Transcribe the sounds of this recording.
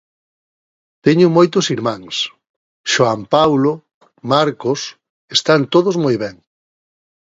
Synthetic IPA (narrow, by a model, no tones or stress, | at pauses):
t̪ɛɲʊmojt̪ʊsiɾmãŋs | ʃoampawlo | maɾkos | est̪ant̪oð̞ʊzmojβɛŋ